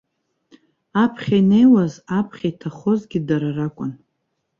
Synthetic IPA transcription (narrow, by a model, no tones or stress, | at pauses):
apʰχʲajne̞jwazapʰχʲaitʰaχo̞zɡʲidaɾarakʷʼʊn